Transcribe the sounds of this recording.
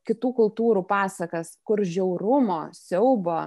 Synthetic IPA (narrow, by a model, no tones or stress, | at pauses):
kʲɪt̪uːkʊlˠt̪uːɾuːpɑːsɐkɐskʊɾʒʲɛʊɾʊmoːsʲɛʊboː